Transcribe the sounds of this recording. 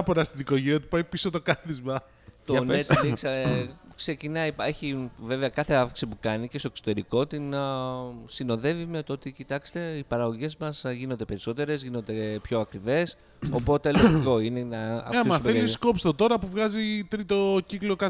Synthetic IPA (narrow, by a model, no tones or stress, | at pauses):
poɾɐst̪iðiko̞ʝiɾiɐt̪u̥pɐjpisot̪okɐθizmɐ | t̪onet̪iksɐkse̞cinɐieçive̞veɐkɐθe̞ɐfki̥sipukɐnice̞st̪oeksot̪e̞ɾiko̞t̪in | sino̞ðe̞vimeot̪oo̞t̪icit̪ɐkst̪e̞ipɐɾɐɣo̞ʝe̞zmɐsʝino̞nd̪e̞pe̞ɾiso̞t̪e̞ɾe̞zʝino̞nd̪e̞pço̞ɐkɾive̞s | o̞po̞t̪e̞loʝiko̞inenɐɐ̰mɐθelisko̞pst̪ot̪o̞ɾɐpuvɣɐzit̪ɾit̪o̞ciklokɐ